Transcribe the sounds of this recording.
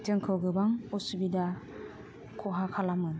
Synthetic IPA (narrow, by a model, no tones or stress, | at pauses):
tɯŋkʰɯwɡɯbaŋɔsubida | kʰɔɦakʰalamɯ